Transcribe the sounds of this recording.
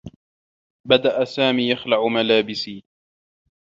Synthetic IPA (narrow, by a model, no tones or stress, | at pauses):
bad̪aʔasaːmiːjaxlaʕʊmalaːbɪsiː